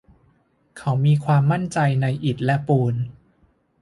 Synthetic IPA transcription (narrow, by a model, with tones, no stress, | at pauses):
kʰa˦˥wmiː˧kʰwaː˧mːa˥˩nt͡ɕa˧jna˧jʔi˨˩t̪̚lɛ˦˥puː˧n